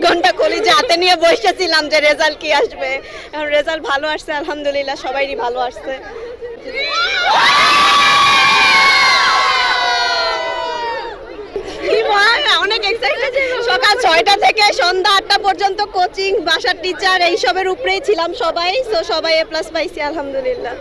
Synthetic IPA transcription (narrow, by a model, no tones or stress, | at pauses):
ɡʱɔɳʈakʰolid͡ʑat̪eniebojʃet͡ɕʰilamd͡ʑeɾed͡ʑalkiaʃbe | eonɾed͡ʑalbʱaloaʃsʰealɦamd̪ulilːaʃɔbajnibʱaloaʃsʰe | imanɛɔnekeksaeʃɔkalt͡ɕɔeʈat̪ʰekeʃɔnd̪aaʈːapɔɾd͡ʑont̪okot͡ɕiŋbʱaʃaʈːit͡ɕaɾeɦiʃobeɾupɾejt͡ɕʰilamʃɔbajsoʃɔbajeplasbajsʰialɦamd̪ulilːa